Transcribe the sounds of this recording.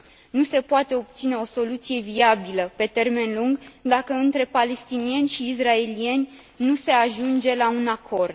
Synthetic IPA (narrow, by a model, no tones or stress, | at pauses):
nuse̞poat̪e̞o̞p̚t̪sine̞o̞so̞lut̪sije̞viabiləpe̞t̪e̞rme̞nluŋɡd̪akəɨnt̪ɾe̞pale̞st̪inie̞nʲʃiːsrae̞lie̞nʲ | nuse̞aʒund͡ʒe̞launakʰo̞rd̪